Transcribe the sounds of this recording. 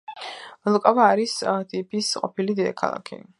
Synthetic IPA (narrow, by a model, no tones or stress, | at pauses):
lkʼavaːɾist̪ʼipʰʼisqʼɔpʰilid̪id̪akʰa̰lˠa̰kʰḭ